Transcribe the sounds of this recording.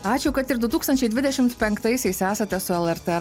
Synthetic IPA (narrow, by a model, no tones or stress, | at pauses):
ɑːt͡ʃʲɛkɐt̪ɪɾd̪ʊt̪uːkst̪ɐnʲt͡ʃʲɛɪd̪ʲɪd̪ʲɛʃʲɪmt̪pʲɛŋkt̪ɐɪsʲɛɪsæːsɐt̪ʲɛsʊɛlˠɛɾt̪ɛ